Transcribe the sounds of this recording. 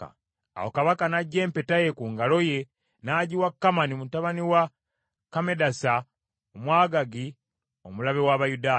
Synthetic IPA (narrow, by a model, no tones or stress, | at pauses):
a̰wokaβakanaɟːe̞ːmpe̞taje̞kuŋɡalo̞je̞ | naːɟiwakːamanimutaβaniwa | kame̞dasa | omwaːɡaɡi | o̞mulaβewaβajudaː